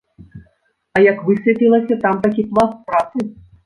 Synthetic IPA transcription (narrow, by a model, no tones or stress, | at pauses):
ɐjɐkvɨsʲvʲɛpʲilˠɐsʲɐt̪amt̪akʲiplˠaspɾat̪sɨ